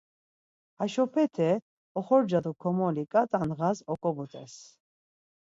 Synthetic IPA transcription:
aʃɔpʰɛt̪ʰɛ | ɔχɔɾd͡ʒad̪ukʰɔmɔlikʼat̪ʼanʁazɔkʼɔbut̪ʼɛs

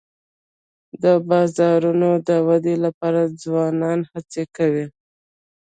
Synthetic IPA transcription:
d̪əbɑzɑɾunod̪əwad̪elapɑɾad͡zwɑnɑnhat͡sekawi

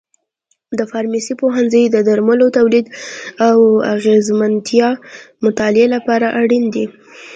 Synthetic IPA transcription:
d̪əfɑɾmisipoɦanzəjd̪əd̪aɾmalot̪awlid̪awa̰ɣezmant̪ʰjɑmʊt̪ɑlɪelapɑɾaʔaɽind̪i

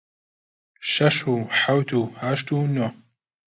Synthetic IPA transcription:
ʃɐʃuħawt̪ʰuhaʃt̪uno

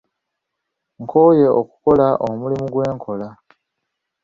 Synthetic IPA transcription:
ŋkʰoːje̞oku̥ko̞laʔomulimuɡwe̞ːŋkʰo̞la

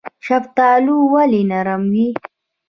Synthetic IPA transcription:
ʃɐft̪aːluwalinaɾamwi

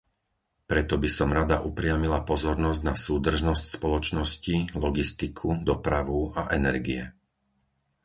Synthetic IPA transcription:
pɾɛt̪ɔbisɔmɾad̪aʔupɾɪamilapɔzɔɾnɔzɟnasuːd̪r̩ʒnɔscspɔlɔt͡ʃnɔscilɔɡist̪ikʰud̪ɔpɾaʋuaʔɛnɛɾɡiɛ

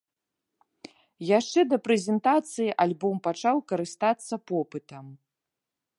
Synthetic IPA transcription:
jaʂt͡ʂɛd̪ɐpɾɛzʲɛnt̪at̪sɨjiʔalʲbɔmpat͡ʂawkɐɾɨst̪at̪sːɐpɔpɨt̪ɐm

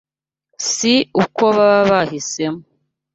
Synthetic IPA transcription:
siuko̞βaβaβahise̞mo

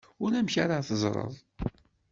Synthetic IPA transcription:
ʊɾæmçaɾəθəzˤɾˤə̰ðˤ

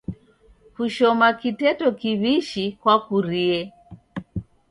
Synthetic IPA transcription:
huʃɔmakitɛtɔkiβiʃikwakuɾiɛ

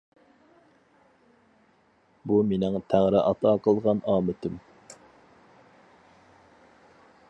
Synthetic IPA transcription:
bumenɪŋt̪ʰæŋɾɪʔɑt̪ʰɑːqʰəlˠʁɑnɑːmɪt̪ʰɪm

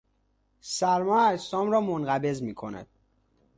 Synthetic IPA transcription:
sæɾmɒːæst̪ɒːmɾɒːmonɢæbe̞zmiːkʰo̞næ̰d̪̥

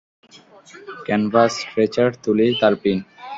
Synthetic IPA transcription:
kɛnbasʈɾet͡ɕaɾt̪ulit̪alpin

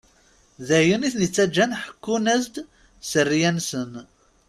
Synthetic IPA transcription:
ðæjuniθnət͡sːæd͡ʒːænħə̥kːunæzd̪ | sərːijænsən

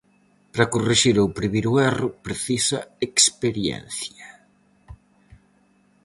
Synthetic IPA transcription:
pɾɐkuriʃiɾowpɾiβiɾʊɛrʊpɾeθisɐekspeɾjɛ̰n̟θjɐ

